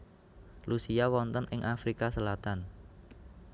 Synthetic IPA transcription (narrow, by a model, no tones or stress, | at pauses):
lʔusiawɔnt̪ənʔɪŋʔafɾikasəlat̪an